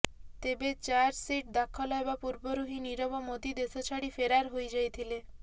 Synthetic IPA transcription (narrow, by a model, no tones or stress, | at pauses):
t̪ebet͡ʃaɾsiʈ̚d̪akʰɔlɔebapuɾbɔɾuɦiniɾɔbɔmot̪id̪esɔt͡ʃʰaɽifeɾaɾɦojd͡ʒajt̪ʰile